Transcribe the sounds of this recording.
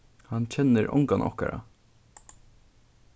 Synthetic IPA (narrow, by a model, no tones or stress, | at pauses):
hɑnc͡çʰɛnəɾʔɔ̰ŋkɑnʔɔ̰hkɑ̰ɾɑ̰